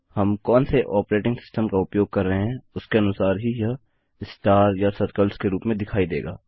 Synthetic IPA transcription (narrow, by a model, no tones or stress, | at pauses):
hɐmkɔːnseʔɔːpɾeːʈɪ̃ŋɡsɪ̥sʈəmkaʊpjoːɡ̚kɐɾːɐɦeɦɛ̃ʊskeɐnʊsaːɾɦija | ɪsʈaːɾjasɐt̪kəlskeɾuːpmẽd̪ɪkʰaːid̪ḛːɡa̰ː